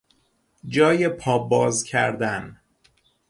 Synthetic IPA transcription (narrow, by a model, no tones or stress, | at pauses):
d͡ʒɒːjepʰɒːbɒːzcʰæ̰ɾd̪æn